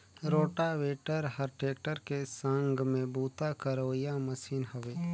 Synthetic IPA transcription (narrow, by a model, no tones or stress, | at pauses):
ɾoːʈaʋeːʈəɾhəɾʈeːk̚ʈəɾkesəŋɡmẽbuːt̪akəɾoːijaməsiːnɦɐʋeː